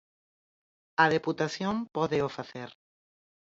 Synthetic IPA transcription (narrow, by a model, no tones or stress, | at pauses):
aðeput̪aθjompoðeofaθeɾ